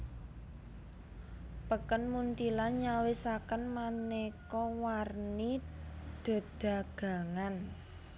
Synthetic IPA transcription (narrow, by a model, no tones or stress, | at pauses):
pəkənmunt̪ilaɲawesakənmanekɔwarnid̪̥ə̤d̪̥a̤ɡ̥a̤ŋan